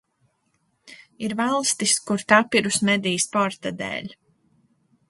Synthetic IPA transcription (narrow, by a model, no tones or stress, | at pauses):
iɾvalˠst̪iskuɾt̪apiɾusmɛd̪ijspɔɾt̪ad̪ḛːlʲ